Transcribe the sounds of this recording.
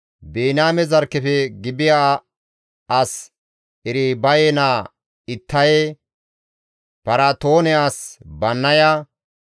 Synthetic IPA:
beːnaːmɛzɐɾkːɛfɛɡɪbɪja | ʔɐs | ɛɾibɐjɛnaː | ɪt̪ʰːɐjɛ | pɐɾat̪oːnɛaːsbɐnːɐjɐ

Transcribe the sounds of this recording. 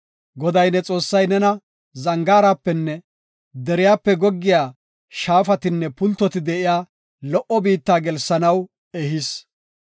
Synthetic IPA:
ɡɔd̪ɐjnɛt͡sʼo̞ːsːɐjnɛnɐ | zɐŋɡaːɾaːpːɛnːɛ | d̪ɛɾɪjaːpːɛɡɔɡːɪjaː | ʃaːfɐt̪ɪnːɛpʊlt̪ːɔt̪ɪd̪ɛʔɪjaː | lɔʔɔbiːt̪ːaːɡɛlsːɐnɐw | ɛɦɪs

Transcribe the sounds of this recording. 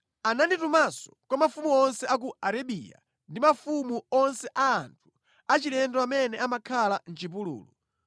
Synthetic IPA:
ananditumasɔ̥kwamafumuɔnsɛʔak̬uaɾaɓḭja̰ | ndimafumuɔnsɛʔaːntʰu̥ | at͡ʃilɛndɔamɛnɛamakʰalan̩t͡ʃip̬ulṵːlu

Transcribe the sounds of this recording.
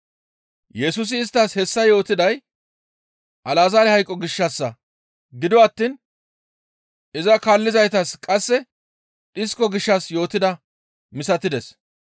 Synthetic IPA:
jɛsʊs̬ɪːst̪ːashɛsːɐjo̞ːt̪ɪd̪ɐj | ʔɐlaːzaːɾɛhɐjkʼːɔɡɪʃːɐsːɐ | ɡɪd̪ɔɐt̪ːiːn | ɪzɐkaːlːɪzɐjt̪ɐskʼɐsːɛ | ᶑɪskːɔɡɪʃːɐsjo̞ːt̪ɪd̪ɐ | mɪsɐt̪ːɪd̪ɛs

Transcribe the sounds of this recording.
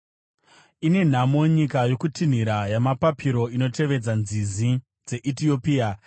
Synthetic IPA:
ine̞n̤amo̞ɲikajo̞kutin̤iɾajamapapʰiɾo̞ino̞te̞ʋe̞d͡zanzizi | d͡ze̞ʔitio̞pia

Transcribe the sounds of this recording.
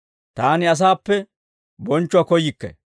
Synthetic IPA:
t̪aːnɪɐs̬aːpːɛ | bɔnt͡ʃːʊɐkɔjɪkːɛ̰

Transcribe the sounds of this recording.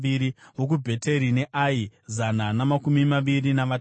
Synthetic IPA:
iɾiwok̬ubʱe̞te̞ɾine̞ʔaizananamakumimaʋirinaʋa

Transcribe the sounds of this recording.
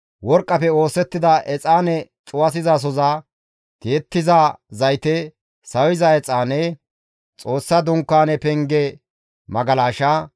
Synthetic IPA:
wɔɾkʼːɐpɛo̞ːsɛt̪ːɪd̪ɐʔɛt͡sʼaːnɛt͡ʃʼʊwɐsɪzas̬ɔzaː | t̪ɪːt̪ːɪzaːzɐjt̪ɛ | sɐwɪzɐɛt͡sʼaːnɛ | t͡sʼo̞ːsːɐd̪ʊŋkːaːnɛpɛŋɡɛ | mɐɡɐlaːʃaː

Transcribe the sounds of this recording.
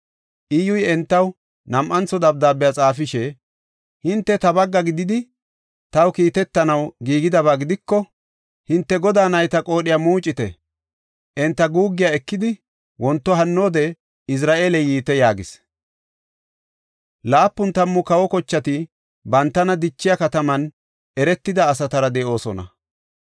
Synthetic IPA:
ʔɪjʊjɛnt̪ːɐw | nɐmʔɐnt͡sɔd̪ɐb̚d̪aːbɪjat͡sʼaːfɪʃɛ | hɪnt̪ːɛt̪ɐbɐɡːɐɡɪd̪ɪd̪ɪ | t̪ɐwkiːt̪ɛt̪ːɐnɐwɡiːɡɪd̪ɐβaːɡɪd̪ɪkːɔ | hɪnt̪ːɛɡɔd̪aːnɐjt̪ɐkʼo̞ːɗɪjaːmuːt͡ʃʼːɪt̪ɛ̰ | ʔɛnt̪ːɐɡuːɡːɪjaɛkːɪd̪ɪ | wɔnt̪ːɔɦɐnːo̞ːd̪ɛ | ɪs̬ɾaːʔeːlɛjiːt̪ɛjaːɡɪs | laːpːʊnt̪ɐmːʊkɐwɔkɔt͡ʃːɐt̪ɪ | bɐnt̪ːɐnɐd̪ɪt͡ʃːɪjɐkɐt̪ɐmɐn | ʔɛɾɛt̪ːɪd̪ɐːs̬ɐt̪ɐɾɐd̪ɛʔo̞ːsɔnɐ̰

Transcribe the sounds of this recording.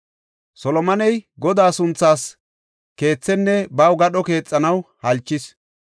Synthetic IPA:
sɔlɔmɐnɛjɡɔd̪aːsʊnt͡sːaːs | ke̞ːt͡sːɛnːɛbɐwɡɐɗɔke̞ːt͡sʼːɐnɐwhɐlt͡ʃːɪs

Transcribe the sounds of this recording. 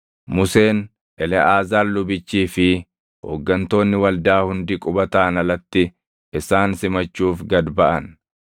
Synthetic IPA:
mʊse̞ːn | ʔɛlɛʔaːzaːllʊbɪt͡ʃːiːfɪ | ho̰ːɡːɐnt̪o̞ːnːɪwɐld̪aːhʊnd̪ɪkʼʊbɐt̪aːnɐlɐt̪ːɪ | ɪsaːnsɪmɐt͡ʃːuːfɡɐd̪bɐʔɐn

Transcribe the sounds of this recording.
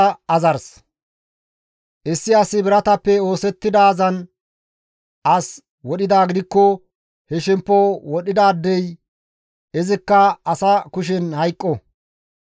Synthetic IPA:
ɐzɐɾs | ʔɪsːɪɐsɪbɪɾɐt̪ɐpːɛo̞ːsɛt̪ːɪd̪aːzɐn | ʔɐs | wɔɗɪd̪aːɡɪd̪ɪkːɔ | hɛʃɪmpːɔwɔɗɪd̪aːd̪ːɛj | ɛzɪkːɐɐsɐkʊʃ̬ɛnhɐjkʼːɔ

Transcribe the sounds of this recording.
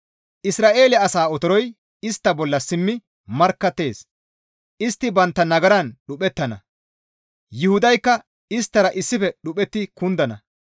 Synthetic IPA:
ʔɪsɾaːʔe̞ːlɪɐɐsaːɔt̪ɔɾɔj | ɪst̪ːɐbɔlːɐsɪmːɪ | mɐɾkːɐt̪ːe̞ːs | ʔɪst̪ːɪbɐnt̪ːɐnɐɡɐɾɐnɗʊpʼɛt̪ːɐnɐ̰ | jɪhʊd̪ɐjkːɐ | ɪst̪ːɐɾɐʔɪsːɪfɛɗʊpʼɛt̪ːɪkʊnd̪ɐnɐ

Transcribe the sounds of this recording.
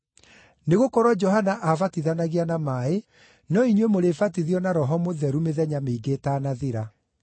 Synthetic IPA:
neɣokɔɾwɔd͡ʒɔɦanaʔavatiðanaɣianamaːe | nɔiɲwemoɾefatiðiɔnaɾɔɦɔmoðɛɾumeðɛɲameiɡetaːnaðiɾa

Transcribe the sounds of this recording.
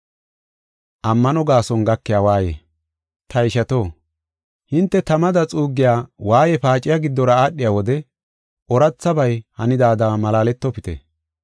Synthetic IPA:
ʔɐmːɐnɔɡaːsɔnɡɐkːɪjaːwaːjḛː | t̪ɐɪʃɐt̪o̞ː | hɪnt̪ːɛt̪ɐmɐd̪ɐt͡sʼuːɡːɪjaːwaːjɛpaːt͡ʃʼɪjaɡɪd̪ːɔɾɐaːɗːɪjaːwɔd̪ɛ | ʔɔɾɐt͡sːɐbɐjhɐnɪd̪aːd̪amɐlaːlɛt̪ːɔpɪt̪ḛ

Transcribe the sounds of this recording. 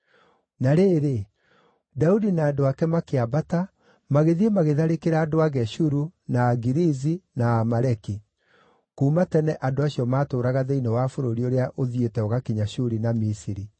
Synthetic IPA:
naɾeːɾe | daudinaːdoakɛmakeabata | maɣeðiemaɣeðaɾekeɾaːdoaɣɛʃuɾunaːɡiɾizinaːmaɾɛki | kuːmatɛnɛʔadoaɕiɔmaːtoːɾaɣaðeinewafoɾoɾioɾeaʔoðietɛɔɣakiɲaɕuɾinamisiɾi

